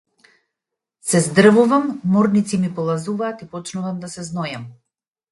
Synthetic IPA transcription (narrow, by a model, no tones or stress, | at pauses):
sɛzd̪r̩vuvamːɔɾnit̪simipɔlˠazuvaːt̪ipɔt͡ʃnuvamd̪asɛznɔjam